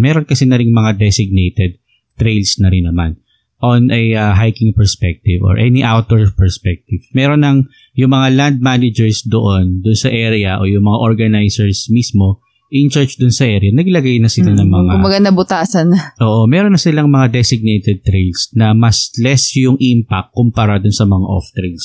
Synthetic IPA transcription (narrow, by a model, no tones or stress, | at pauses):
mɛːɾonkɐsɛnɐɾɪŋmɐŋad̪ɛsɪɡ̚nejt̪ɛd̪̚ | t̪ɾejlsnɐɾɪnːɐma̰n | ʔonʔɐjɐɦajkɪŋpɛɹspɛk̚t̪ɪvo̰ɹʔɛ̰niʔawt̪̚oɹpɛɹspɛk̚t̪ɪv̥mɛːɾonːɐŋ | jʊŋmɐŋaland̪̚manɪd͡ʒɛɹsd̪oʔond̪ʊnsɐʔɛɾɪɐʔo̞jʊŋmɐŋaʔoɹɡɐnajsɛɹsmismo̞ | ʔɪnt͡ʃɛɹt͡ʃd̪ʊnsɐʔɛːɾɪjɐnɐɡlɐɡajnɐsɪlanɐŋmɐŋaʊbɐɡanɐbʊt̪aːsɐnʔoːʔomɛːɾonːɐsɪlɐŋmɐŋad̪ɛsɪɡ̚nejt̪ɛd̪̚t̪ɾejlsnɐmɐslɛsjʊŋʔimpak̚ːʊmpɐɾad̪ʊnsɐmɐŋa̰ʔo̰ft̪ɾejls